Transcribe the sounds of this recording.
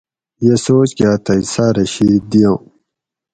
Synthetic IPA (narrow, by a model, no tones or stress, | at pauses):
jesoːt͡ɕkjaːt̪ɐisaːɾɐɕid̪ijõ